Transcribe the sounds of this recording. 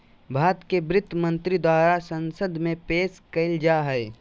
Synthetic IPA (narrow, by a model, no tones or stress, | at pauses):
bʱaːt̪kebɾɪt̪ːəmə̃nt̪ɾid̪waːɾasə̃nsəd̪ʱmẽpeːskɐɪld͡ʒaɦɛː